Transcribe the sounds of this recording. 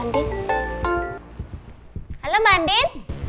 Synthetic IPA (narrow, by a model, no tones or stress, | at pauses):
ɳɖi | ɐlomaɳɖin